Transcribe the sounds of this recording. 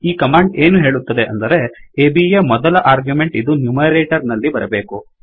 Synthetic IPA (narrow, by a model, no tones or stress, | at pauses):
iːkɐmaːɳɖeːnuɦe̞ːɭut̪ːɐd̪eʔɐ̰nd̪ɐɾe̞eːbiemɔd̪ɐlɐʔaːɾɡjumeɳʈid̪unjumɐɾeːʈɐɾnɐlːibɐɾɐbe̞ːku